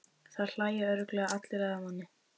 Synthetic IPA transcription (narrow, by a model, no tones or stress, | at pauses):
θað̥l̥aːjɪœɾʏklɛːɣaat̪lɪɾaðamhanːɪ